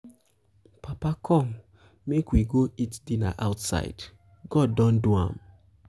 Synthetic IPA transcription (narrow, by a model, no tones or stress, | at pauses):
pʰapakʰɔ̃m | mekwiɡoitdina̰ʔaʊtsa̰ɪd̥ | ɡ̥ɔdːɔ̃nduã̰m